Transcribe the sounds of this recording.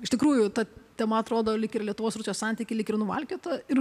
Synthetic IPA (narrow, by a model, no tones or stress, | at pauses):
ɪʃʲt̪ʲɪkɾuːjʊt̪ɐt̪ʲɛmɐɐt̪ɾoːd̪oːlʲɪkɪrlʲiɛt̪ʊʋoːsɾʊsʲjosɑnʲt̪ʲiːkʲɪlʲɪkɪrnʊʋɐ̰lʲkʲoːt̪ɐɪr